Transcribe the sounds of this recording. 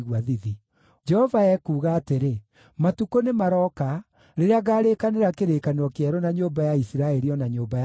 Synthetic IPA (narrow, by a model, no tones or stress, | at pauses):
ɣwaðiði | d͡ʒɛhɔvaɛkuːɣaːteɾe | matukonemaɾɔːka | ɾeɾeaɣaːɾekaneɾakeɾekaneɔkeɛɾɔnaɲoːmbajaisiɾaɛɾiɔnaɲoːmbaj